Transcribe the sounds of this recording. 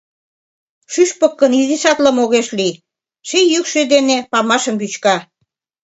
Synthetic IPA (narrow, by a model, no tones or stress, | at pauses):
ʃyʃpə̆kːə̆niziʃɑt̪lə̆moɣeʃli | ʃejykʃød̪enepɑmɑʃə̆mbyt͡ɕkɑ